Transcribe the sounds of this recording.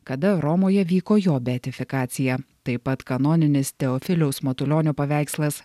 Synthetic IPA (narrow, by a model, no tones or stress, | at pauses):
kɐd̪ɐɾɔmoːjɛʋʲiːkoːjoːbʲɛɐt̪ʲɪfʲɪkɑːt̪sʲɪjɛt̪ɐɪpɐt̪kɐnɔːnʲɪnʲɪst̪ʲɛɔfʲɪlʲɛʊsmɐt̪ʊlʲoːnʲuːpɐʋʲæˑɪkslˠɐs